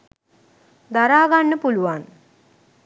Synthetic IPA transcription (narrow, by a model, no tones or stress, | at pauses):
d̪aɾaːɡanːəpuluʋan